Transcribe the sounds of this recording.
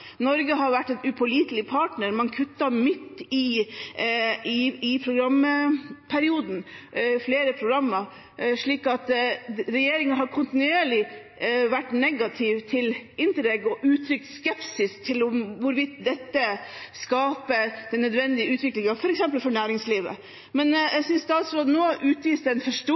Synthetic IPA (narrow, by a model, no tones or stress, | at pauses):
nɔɾɡəɦɑɾʋæʈːɛnʉpʰʊliːt̪lɪpʰɑːʈnəɾmɑnkʰʉt̪ːɑmɪt̪ːɪ | ɪɪpʰɾʊɡɾɑmːəpʰæɾɪuːd̪n̩fleːɾəpʰɾʊɡɾɑmːə | ʂɭiːkɑt̪ɾɛjeːɾɪŋəɦɑɾkʰʊnt̪ɪnʉeːɭɪ | ʋæʈːnɛɡɑt̪ʰɪʋt̪ʰɪlɪnt̪əɾɛɡɔʔʉːt̪ʰɾʏkt̪skɛpsɪst̪ʰɪlʊmʋʊɾʋɪt̪d̪ɛt̪ːəskɑːpəd̪̥ɛnːœd̪ʋɛnd̪ɪəʉːt̪ʰʋɪklɪŋɑfɔɾɛksɛmpəlfɔɳæːɾɪŋsliːʋə̰ | mɛnjæɡsʏnst̪ɑːt̪sɾoːd̪ənoːʔʉːt̪ʋiːsd̪ɛnfɔʂʈo